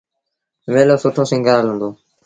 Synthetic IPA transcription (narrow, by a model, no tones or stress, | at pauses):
ʋeːloːsʊʈʰõːsɪ̃ŋɡəːɾalɦʊ̃nd̪oː